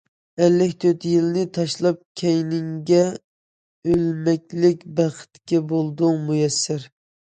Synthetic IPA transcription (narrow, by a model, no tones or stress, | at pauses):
ælːɪkʲt̪ʰøt̪jilnɪt̪ʰɑʃlˠɑp̚kʲʰɛjnɪŋɡʲɛ | ølmɛkʲlɪkʲbæχɪ̥t̪kʲɛbolˠd̪ʊŋmujɛsːɪɾ